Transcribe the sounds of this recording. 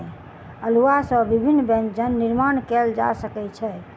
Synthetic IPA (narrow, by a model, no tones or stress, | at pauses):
əluasə̃bibʱinːbẽnd͡ʒənːiɾmankɛld͡ʒa̰səkɛt͡ʃʰɛ